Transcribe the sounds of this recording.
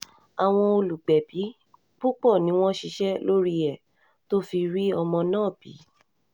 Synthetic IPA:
a˨w̃ɔ̃˧o˧lu˨ɡ͡bɛ˨b̥i˨˦ | k͡pu˦k͡pɔ˦˨nĩ˨˦w̃ɔ̃˦ʃi˧ʃɛ˦lo˦ɾi˦ɛ˨ | to˦fi˧ɾi˦ɔ˧mɔ̃˧nãː˦˨b̥ḭ˨˦

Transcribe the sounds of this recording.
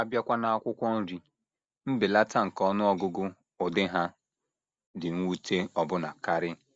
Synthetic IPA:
a˦bja˦kʷa˦na˨a˦kʷʊ˦kʷɔ˦n̩˦ɾi˨ | m̩˦bɪ˨la˦ta˦ŋ̩˨kɔ˦nʊ˦ɔ˦ɡʊ˦ɡʊ˦ | ʊ˨dɪ˦ɦa˦ | dɪ˨ŋ̩ʷ˦u˦tʰe˦ɔ˨bʊ˦na̰˨ka˦ɾɪ˦

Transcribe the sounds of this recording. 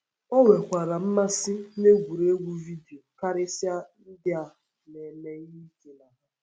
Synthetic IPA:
ɔ˦ŋʷe˨kʷa˨ɾa˨m̩˦ma˦sɪ˦ne˦ɡʷu˨ɾe˦ɡʷu˦vi˦di˨o˨ka˦ɾɪ˦sja˦n̩˦dɪ˦a˨ | ne˨me˦ɲ˦i˦ke˨na˨ɦa˨

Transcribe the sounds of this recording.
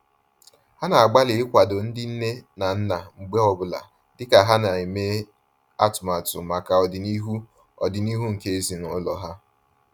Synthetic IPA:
ha˦na˨a˨ɡ͡ba˦lɪ˨ɪ˦kʷa˨do˨n̩˦dɪ˦n̩˦ne˦na˨n̩˦na˨ŋ͡m̩˨ɡ͡be˦ɔ˨bʊ˦˨la̰˨ | dɪ˦ka˨ɦa˦na˨i˨me˦ | a˦tʊ˨ma˨tʊ̰˨ma˨ka˨ɔ˨dɪ˨ni˦ɦu˦ | ɔ̰˨dɪ˨ni˦ɦu˦ŋ̩˨ke˦e˦zi˨nʊ˨˦lɔ˨ɦa˦

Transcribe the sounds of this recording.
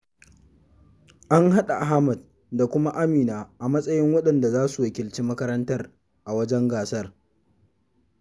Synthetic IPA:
ʔa˦ŋha˦ɗa˨ʔa˨ɦa˦mɐ˨d̚ | da˨kʷʊ˦ma˦ʔa˦miː˨naː˨ʔa˨mɐ˦sʼɐ˦jɪ˦ŋwɐ˦ɗɐ˨nda˨zaː˦su˨wɐ˦kʲɪ˨lt͡ʃiː˦mɐ˦kɐ˦ɾɐ˦ntɐ˦r | ʔa˨wɐ˦d͡ʒɛ˦ŋɡaː˨sɐ˦r

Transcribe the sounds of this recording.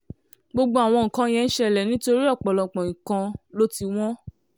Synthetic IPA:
ɡ͡bo˧ɡ͡bo˦a˨w̃ɔ̃˧ŋ̩˨kã˨˧jɛ̃˨˧n̩˦ʃɛ˧˨lɛ˨nĩ˦to˧ɾi˦ɔ˦˨k͡pɔ˨lɔ˨k͡pɔ̃˨ĩ˨kã˧lo˦ti˧w̃ɔ̃˦

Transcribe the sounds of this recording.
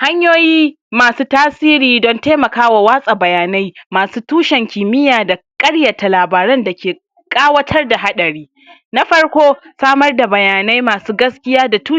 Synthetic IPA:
ha˦ɲjoː˦jiː˦ | maː˨suː˦taː˦siː˦ɾiː˨dɔ˦nteː˦mɐ˨kaː˦wa˨waː˦sʼa˨bɐ˨jaː˨na˦jmaː˨suː˦tuː˦ʃɛ˨ŋkʲiː˨mɪ˦jaː˨da˨kʼɐ˦ɽjɐ˨ta˨laː˨baː˨ɾɛ˦nda˨kʲeː˨ | kʼaː˦wɐ˦tʰɐ˦rda˨ɦa˦ɗɐ˨ɽiː˦ | na˦ɸɐ˦ɽkʷoː˦saː˦mɐ˦rda˨bɐ˨jaː˨na˦jmaː˨suː˦ɡɐ˦skʲɪ˦jaː˦da˨tuː˦

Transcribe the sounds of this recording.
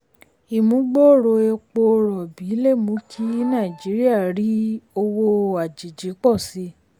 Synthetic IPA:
i˨mũ˨˦ɡ͡bɔ˦˨ɾo˧e˧k͡po˧ɾɔ˨bi˨˦le˦˨mũ˨˦kʰi˦nã˦˨d͡ʒi˨˦ɾi˦a˦˨ɾi˨˦o˧wo˧a˨d͡ʒi˨d͡ʒi˨˦k͡pɔ˦˨si˨˧˦

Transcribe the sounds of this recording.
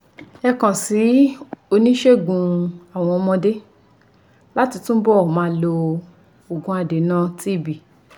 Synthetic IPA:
ɛ˧kã˨si˨˦o˧nĩ˦ʃe˦ɡũ˧a˨w̃ɔ̃˧ɔ˧mɔ̃˧de˦ | la˦ti˧tũ˦bɔ˦˨mãː˨˦lo˧ | o˨ɡũ˨˧˦a˧de˨˦nã˦ti˦˨bi˨

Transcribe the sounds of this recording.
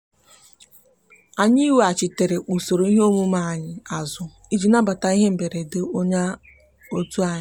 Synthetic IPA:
a˨ɲi˦we˨a˨t͡ʃɪ˨te˨ɾe˨ʔu˨so˨ɾo˨˦i˦ɦe˦o˦mu˦ma˦a˨ɲɪ˨a˨zʊ˨ | i˦d͡ʒi˨na˦ba˨ta˨i˦ɦe˦m̩˨be˨ɾe˨dɪ˨o˦ɲa˦ | o˦tu˦a˨ɲɪ˦˨

